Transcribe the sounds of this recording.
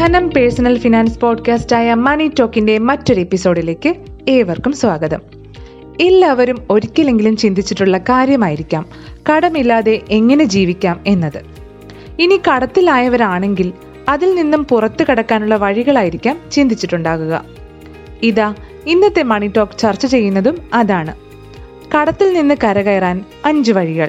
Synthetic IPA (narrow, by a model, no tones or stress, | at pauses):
d̪ʰʱɐnɐmpeɻsɐnɐlfinaːnspo̞ːɖkaːstaːjɐmɐɳitːo̞ːkːinde̞mɐtːo̞ɾe̞pːiso̞ːɽile̞ːkːɨ | e̞ːʋɐrkumswaːɡɐðɐ̰m | e̞lːaːʋɐɾumo̞ɾikʲːilːe̞ŋɡilumt͡ɕind̪it͡ɕːiʈːuɭːɐkaːɾjɐmaːjiɾikʲːaːm | kɐɽɐmilːaːðe̞ʔeŋːɐne̞d͡ʑiːʋikʲːaːme̞nːɐðɨ | inikɐɽɐt̪ːilaːjɐʋɐɾaːɳe̞ŋɡil | ɐðilninːumpurɐt̪ːɨkɐɽɐkːaːnuɭːɐʋɐɻiɣɐɭaːjiɾikʲːaːmt͡ɕind̪it͡ɕːiʈːuɳɖaːɣuɣɐ̰ | iða | inːɐt̪ːe̞mɐɳiʈːo̞ːkt͡ɕɐrt͡ɕːɐt͡ɕe̞jːunːɐðumɐðaːɳɨ | kɐɽɐt̪ːilninːɨkɐɾɐɣɐjraːn | ɐɲd͡ʑɨʋɐɻiɣɐɭ